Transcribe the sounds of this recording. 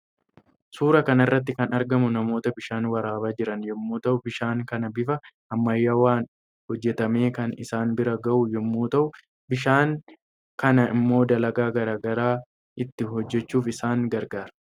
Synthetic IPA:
suːɾɐkɐnɐɪrːɐt̪̬ːɪkɐnɐɾɡɐmʊnɐmo̞ːt̪ɐbɪʃaːnwɐɾaːbaːd͡ʒɪɾɐnjɛmːuːt̪ɐʔʊbɪʃaːŋkɐnɐbɪfɐhɐmːɐjːaːwaːn | hɔd͡ʒːɛt̪ɐme̞ːkɐnɪsaːnbɪɾɐɡɐʔʊjɛmːuːt̪ɐʔʊ | bɪʃaːŋ | kɐnɐɪmːo̞ːd̪ɐlɐɡaːɡɐɾaːɡɐɾaː | ʔɪt̪ːɪɦɔd͡ʒːɛt͡ʃːuːfɪsaːŋɡɐɾɡaːɾɐ

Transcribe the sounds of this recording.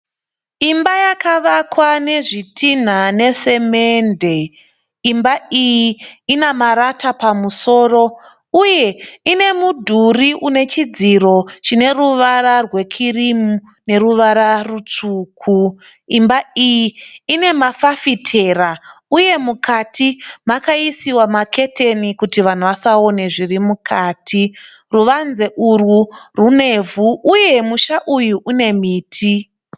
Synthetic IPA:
imbajakaʋakwane̞ʐitʰin̤ane̞se̞mende̞ | imbaijiinamaɾatapamuso̞ːro̞ | uje̞ine̞mudʱuriʔune̞t͡ʃid͡ziɾo̞t͡ʃine̞ruʋaɾarwe̞kʰirimu | ne̞ɾuʋaɾarut͡ʂuːkʰu | imbaijiːne̞mafafitʰe̞ːrauje̞mukʰatʰimakaisiwamakʰe̞tʰe̞nikutiʋan̤uʋasao̞ne̞ʐirimukʰaːtʰi | ruʋanze̞ʔurwurune̞vʱuːje̞muʃaʔujuʔune̞miːtʰi

